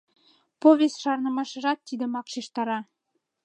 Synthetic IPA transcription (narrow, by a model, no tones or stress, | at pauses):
povʲest̪ʃɑɾnəmɑʃɤ̆ʒɑt̪ːid̪ɘ̆mɑqʃiʃt̪ɑɾɑ